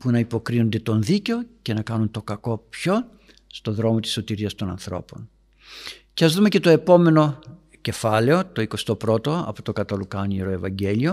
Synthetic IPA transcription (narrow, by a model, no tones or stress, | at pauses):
punɐipo̞kɾino̞nd̪e̞t̪o̞nðiceo̞ce̞nɐkɐnunt̪o̞kɐko̞pço̞ | st̪o̞ðɾo̞mo̞t̪i̥sːo̞t̪iɾiɐst̪o̞nɐ̰nθɾo̞̰po̞̰n | ceɐzðumece̞t̪o̞e̞po̞me̞no̞ | ce̞fɐle̞o̞t̪o̞iko̞st̪o̞pɾo̞t̪o̞ɐ̰po̥t̪o̞kɐt̪ɐlukɐniɾo̞e̞vɐɲɟe̞lio̞